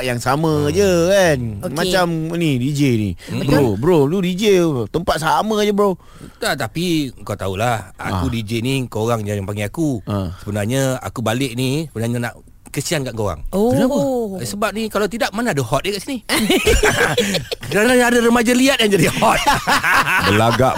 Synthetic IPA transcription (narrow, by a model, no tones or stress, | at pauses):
jaŋsamə̃d͡ʒəkanomat͡ʃamnidid͡ʒenḭbobəɾoludid͡ʒet̪əmpat̪̚saməd͡ʒəbəɾo | t̪at̪apikat̪aulaha̰kudid͡ʒenikoɾaŋjajaŋpaŋɡeakũsəbənarɲaa̰kubalɪk̚nisəbənarɲanaʔ | kəsiankaʔkoɣa̰ŋobnasəbap̚nikalawt̪idaʔmanaadəhɔt̪̚jekaʔsini | kəɾanaadaɾəmad͡ʒaliat̪̚jaŋd͡ʒadihɔt̪̚ | əlaɡa̰ʔ